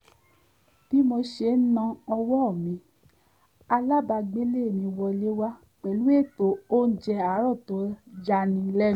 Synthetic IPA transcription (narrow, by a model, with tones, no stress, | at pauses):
ti˦mõ˧ʃe˧˨˦nã˧ɔ˧wɔ˦ɔ˦˨mĩ˨˦ | a˧la˦ba˧ɡ͡be˦le˦˨mĩ˧wɔ˧le˦wa˦ | k͡pɛ˨lu˨˦e˦˨to˨o˦n̩˦d͡ʒɛ˧a˨˦ɾɔ˦˨to˨˦d͡ʒa˧nĩ˧˦lɛ˦˨